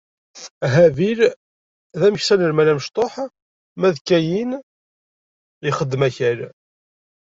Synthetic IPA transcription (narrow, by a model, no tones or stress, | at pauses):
ɦæviɾ | ðæməçsænəɾmælæməʃt̪ˤoħ | mæðkːæjin | jəχəd̪ːmæçæɾ